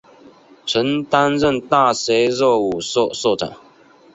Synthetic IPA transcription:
ʈ͡ʂʰə˨˦nt̪a˥˦nɻə˥˨nt̪a˥˨se˧˥ɪzɔ˥˩u˨˩so˥˨sɔ˥˩ʈ͡ʂa̰˨˩˦ŋ

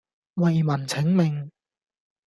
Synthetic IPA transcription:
wɐ˨˩jmɐ˨˩nt͡sʰɪ˨˥ŋmɪ˨ŋ

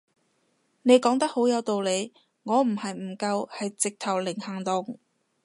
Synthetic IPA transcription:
ne˨˧jkɔː˨˥ŋt̪ɐ˥k̚ho˨˥wjɐ˨˧wt̪o˨wle˨˧j | ŋɔː˨˧m̩˨˩hɐ˨jm̩˨˩kɐ˧whɐ˨jt͡sɪ˨k̚t̪ʰɐ˨˩wlɪ˨˩ŋhɐː˨˩ŋt̪ʊ˨ŋ

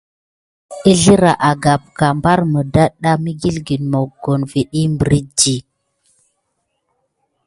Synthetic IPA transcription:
i˦ɮi˦ɾa˨ʔa˨ɡa˨p̚ka˨mba˦ɾmə˨da˦ɗa˦mi˦ɡi˦lɡi˨nmo˨ɡo˨nvi˨ɗi˦mbə˨ɾi˦d͡ʒi˨

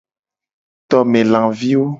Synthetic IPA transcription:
t̪ɔ˨mẽ˨lã˨vi˦wo˦

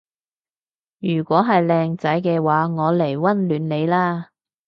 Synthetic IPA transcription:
jyː˨˩kʷɔː˨˥ɦɐ˨jlɛː˧ŋt͡sɐ˨˥jkɛː˧waː˨˥ŋɔː˨˧le˨˩jwɐ˥nlyː˨˥nle˨˧jlaː˥

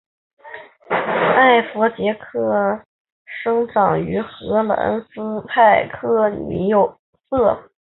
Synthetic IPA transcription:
a˥˩ɪfɔ˧˥t͡ɕjɛ˧˥kʰɤ˥˩ | ʂɤ˥ŋʈ͡ʂɑ˨˩ŋy˧˥xɤ˧˥lə̰˨˧˩ə̰˥nsɹ̩˥pʰa˥˩ɪkʰɤ˥ny̰˧˩jo˨˧˩ʊ | sɤ˥˩

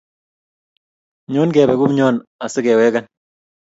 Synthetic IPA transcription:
ɲo˦nkɛː˨bɛ˨ku˦mɲɔː˦na˨sɪ˦kɛː˨wɛː˦ka˦n

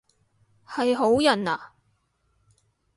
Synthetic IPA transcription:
hɐ˨jɦo˨˥wjɐ˨˩naː˨

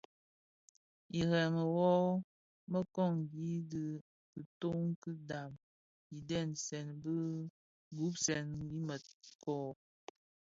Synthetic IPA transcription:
i˨ɣɛ˨ŋə˨wɔ˦ | mə˦kɔ˦˨ŋɡi˦də˨ | kə˨to˦ŋ˦kɨ˦da˨m | i˨dɛ˦˨nsɛ˨nbə˦ | ɡu˨˦psɛ˨ni˦mə˨kɔ˨

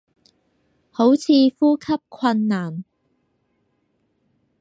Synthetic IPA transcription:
ho˨˥wt͡sʰiː˨˧fuː˥kʰɐ˥p̚kʰɐ˧nːaː˨˩n

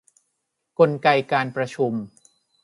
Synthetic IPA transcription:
ko˧nka˧jkaː˧npɾa˧t͡ɕʰu˧m

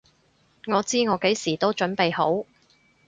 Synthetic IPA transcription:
ŋɔː˨˧t͡siː˥ŋɔː˨˧ke˨˥jsiː˨˩t̪o˥wt͡ʃɵ˨˥npe˨jho˨˥w

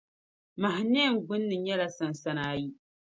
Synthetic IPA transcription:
ma˨ɦɪ˨nɛ˦˨ŋ˨ɡ͡bʊ˦nːɨ˨ɲɛ˦la˨sa˨n˨sa˦naː˦ji˦

